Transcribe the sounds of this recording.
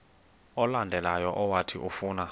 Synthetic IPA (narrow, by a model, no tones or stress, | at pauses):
ɔlandʱɛlajɔʔɔwatʰiʔufuːna